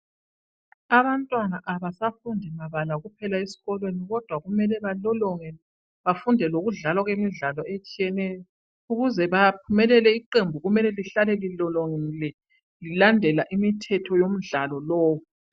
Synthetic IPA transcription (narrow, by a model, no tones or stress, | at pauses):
aβantʼwanaʔaβasafundʱɛmaβalaɣupʰɛlaesi̥ɣɔlweniɣɔd̥ʱwaɣumɛlɛβalɔlɔŋɛ | βafundʱɛloɣuɮalwaɣwemiɮalɔet͡ʃʼijɛnɛjɔ | uɣuzɛβap̚ʰumɛlɛlɛiǃembʱuɣumɛlɛliɬalɛlilɔlɔŋɛlɛ | lilandʱɛlaʔimitʰɛtʰɔjom̩ɮalɔlɔːwɔ